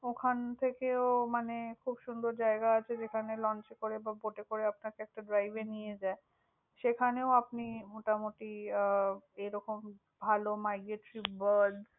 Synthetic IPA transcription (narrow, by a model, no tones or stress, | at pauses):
okʰant̪ʰekeomanekʰubʃund̪ʱoɾd͡ʑaeɡaat͡ɕʰed͡ʑekʰanelɔnt͡ɕekoɾebaboʈekoɾeapnaɾkeɛk̚ʈaɖɾajbenijed͡ʑae | ʃekʰaneoapnimoʈamoʈi | eɾɔkom | bʱalomajɡeʈɾibaɾɖ